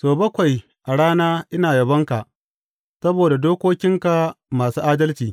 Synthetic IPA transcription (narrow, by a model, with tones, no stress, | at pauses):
soː˨bɐ˦kʷa˨j | ʔa˨ɽaː˦naː˦ʔɪ˦naː˨jɐ˨bɐ˦ŋka˨ʔ | sɐ˦boː˨da˨doː˦kʷoː˦kʲɪ˦ŋka˨maː˨suː˦ʔaː˦dɐ˦lt͡ʃiː˨